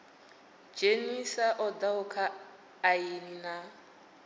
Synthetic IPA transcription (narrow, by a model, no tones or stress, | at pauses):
d͡ʒenisaʔɔdaʊkʰaː | inina